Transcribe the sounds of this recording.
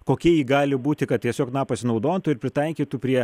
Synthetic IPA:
koːkʲiɛjiːɡɑːlʲɪbuːt̪ʲɪkɐt̪̚t̪ʲiɛsʲoːknɑːpɐsʲnɐʊd̪oːnt̪ʊɪɾpʲɾʲɪt̪ɐɪkʲiːt̪upʲɾʲiɛ

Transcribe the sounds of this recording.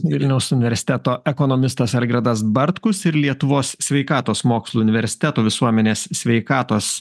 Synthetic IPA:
ʋʲɪlʲnʲɛʊsʊnʲɪʋʲɛɾʲsʲɪ̥t̪ʲɛt̪oːɛkɔnɔmʲɪst̪ɐsɐlʲɡɾɐd̪ɐsbɐɾt̪kʊsɪɾlʲiɛt̪ʊʋoːssʲʋʲɛɪkɑːt̪oːsmoːkslˠuːʊnʲɪʋʲɛɾʲsʲɪ̥t̪ʲɛt̪oːʋʲɪsuɔmʲɛnʲeːssʲʋʲɛɪkɑːt̪oːs

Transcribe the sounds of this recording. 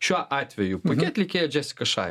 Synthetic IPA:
ʃʲuɔʔɑːt̪ʲʋʲɛjʊpokʲiɐt̪ʲlʲɛkʲeːjɛd͡ʒʲæːsʲɪ̥kɐʃɑ̰ːj

